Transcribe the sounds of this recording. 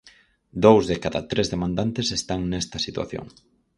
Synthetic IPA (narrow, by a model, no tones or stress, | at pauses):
d̪owzðekaðat̪ɾezðemãnd̪ant̪esest̪aŋnɛst̪ɐsit̪wa̰θjo̰ŋ